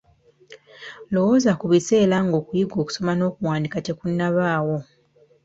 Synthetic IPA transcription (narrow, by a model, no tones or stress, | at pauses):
lo̞wozakuβise̞ːlaŋɡo̞ːkujiɡo̞ːku̥so̞mano̞ːkuwaːndikate̞kunːaβaːwo̞